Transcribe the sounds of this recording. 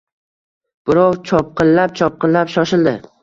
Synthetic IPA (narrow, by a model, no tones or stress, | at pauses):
b̥ɪɾɒwt͡ʃʰɒp̚qʰɨnlap̚t͡ʃʰɒp̚qɨllːapʃɒʃɪld̪ɪ